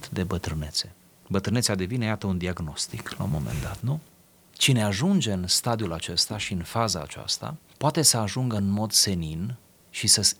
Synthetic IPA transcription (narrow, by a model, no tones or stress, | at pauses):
t̪d̪e̞bət̪ɾɨne̞t̪se̞ | bət̪ɾɨnesead̪e̞vine̞jat̪əund̪iaɡno̞st̪ikla̰wmo̞̰mḛnd̪at̪nu | t͡ʃine̞aʒund͡ʒe̞ɨnst̪ad̪iulat͡ʃe̞st̪aʃiɨnfaza̰ːt͡ʃa̰st̪a̰poat̪e̞səaʒuŋɡəɨnmo̞d̪se̞nin | ʃisəs